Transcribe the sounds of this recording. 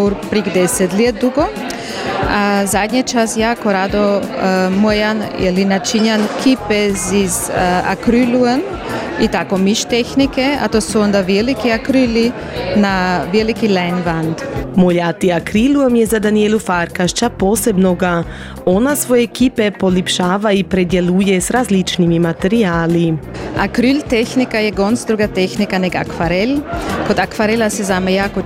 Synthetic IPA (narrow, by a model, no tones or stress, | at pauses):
uɾpɾikd̪ɛsɛt̪liet̪̚d̪uɡo | azad̪ɲat͡ʃasjakoɾad̪omojanɛ̰linat͡ʃiɲankʰipɛziza̰kɾyluen | it̪akomiʃt̪ɛxnikɛa̰t̪osuond̪aʋɛlikiakɾyli | navɛlikilɛjnvand̪moʎat̪iakɾiluamjezad̪anielufaɾkaʃt͡ʃapoːsebnoɡa | onasʋojeːkipepolipʃaːʋaipɾed̪jelujesɾazlit͡ʃnimimat̪eɾiaːlia̰kɾylt̪exnikajeɡonsd̪ɾuɡat̪exnikanɛɡa̰kfaɾelkod̪akfaɾelasɛzamajako